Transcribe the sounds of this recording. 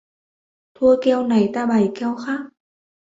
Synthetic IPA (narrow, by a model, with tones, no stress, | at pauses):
t̪ʰu˧əkɛ˧wna˨˩jt̪aː˧ɓa˨˩jkɛ˧wxaː˦˥k̚